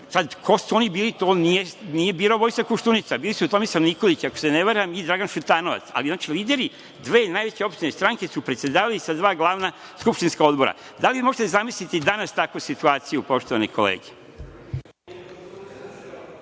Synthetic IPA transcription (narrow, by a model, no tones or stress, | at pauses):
sad̪kʰo̞suo̞nibiːlit̪o̞ːnije̞nije̞biːloʋo̞jst̪akuʃt̪unit̪sabiːlisuut̪o̞mesamniko̞lit͡ɕako̞̥seneʋaɾujamid̪ɾaɡanʃut̪aːno̞ʋa̰t̪sa̰liznaːt͡ʃiliːd̪e̞ɾi | d̪ʋe̞ːnaːjʋe̞t͡ɕeo̞pʃt̪inest̪ɾaŋke̞supɾet̪sed̪aːʋalisad̪ʋaːɡlˠaːʋna | skupʃt̪inskao̞d̪bo̞ɾa̰ | d̪aliʋimo̞ʒet̪ezamislit̪id̪anast̪akʋusit̪uaːt̪sijupo̞ʃt̪oʋanikʰolḛːɡe̥